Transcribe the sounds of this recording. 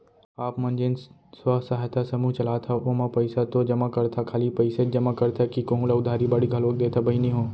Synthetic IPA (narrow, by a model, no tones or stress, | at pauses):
aːpmɐ̃nd͡ʒen | swasaːɦt̪ʰasɐmuːt͡ʃɐlaːt̪ʰaomapɐɪsat̪od͡ʒɐmakɐɾt̪ʰakʰaːlipɐɪsed͡ʒɐmakɐɾt̪ʰakikõːlaʊd̪ʱaːɾibaɽiɡʱɐloːk̚d̪eːt̪ʰabɐɦinĩɦõː